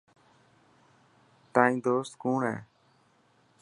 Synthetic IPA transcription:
t̪aːĩːd̪oːst̪kuːɳɦɛ̰ː

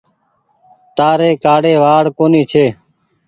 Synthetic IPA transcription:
t̪aːɾeːkaːɽeːʋaːɽkoːniːt͡ʃʰeː

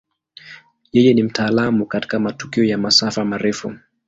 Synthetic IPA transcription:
jɛjɛnim̩taːlamukati̥kamatu̥kiɔjamasafamaɾɛfu

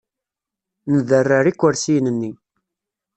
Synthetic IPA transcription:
nəðərːəɾikʷːəɾsijnənːi

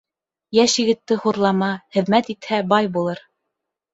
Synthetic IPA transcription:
jæʃjɘ̆ɡɘ̆t̪ːɘhuɾlˠɑmɑχɘ̆ðmæt̪it̪hæbɑjbulˠɤɾ

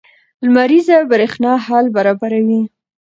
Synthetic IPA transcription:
lmaɾizabɾexnɑhɑlbaɾɑbaɾawi

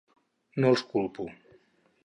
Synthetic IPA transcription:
nolˠskulpu

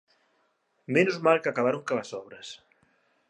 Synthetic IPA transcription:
menuzmalˠkakaβ̞aɾuŋkalasɔβ̞ɾɐs

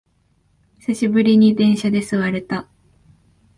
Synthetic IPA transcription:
saɕibɯ̟ɾʲiɲ̟id̪ẽ̞ɰ̃ɕad̪e̞sɨβaɾe̞t̪a

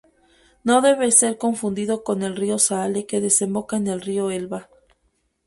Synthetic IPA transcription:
no̞ðe̞βese̞ɾko̞ɱfund̪iðoko̞ne̞lrio̞sale̞ke̞ðe̞se̞mbo̞kaene̞lrioe̞lβa

